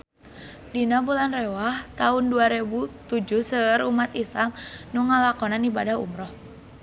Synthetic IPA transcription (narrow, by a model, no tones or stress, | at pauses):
dinabulanrɛwaht̪aunduaɾebut̪ud͡ʒuhsəɾumat̪isamnuŋːalakɔnanibadaɦṵmɾɔh